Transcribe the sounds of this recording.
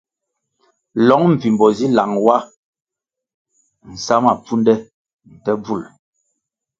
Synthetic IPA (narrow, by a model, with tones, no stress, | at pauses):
lɔ˨˦ŋm̩˨vi˨mbɔ˨zi˦la˨ŋwa˦ | n̩˨sa˦ma˨p͡fu˦ndɛ˦ | n̩˨tɛ˦b͡vu˦˨l